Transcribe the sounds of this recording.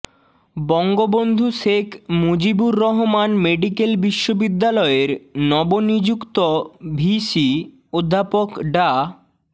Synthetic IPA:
bɔŋɡobond̪ʱuʃekʰmod͡ʑibuɾːɔɦomanmeɖikelbiʃːobid̪ːalɔeɾnɔbonid͡ʑukt̪obʱiʃi | od̪ʱːapokɖa

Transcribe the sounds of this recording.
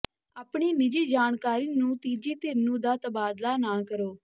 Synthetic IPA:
aːpɳiːnɪd͡ʒiːd͡ʒaːɳkaːɾiːnũːt̪iːd͡ʒiːt̪ɪɾnũːd̪aːt̪əbaːd̪laːnaːkəɾoː

